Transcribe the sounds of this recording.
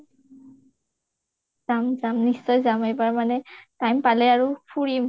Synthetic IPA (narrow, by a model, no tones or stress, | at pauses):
zamzamnissɔjzamejbaɹmanɛtajmpalɛaɹupʰuɹim